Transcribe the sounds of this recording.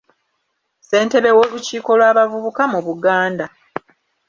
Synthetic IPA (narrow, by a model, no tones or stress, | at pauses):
se̞ːnte̞βe̞wo̞ːluciːko̞lwaːβavuβukamuβuɡaːnda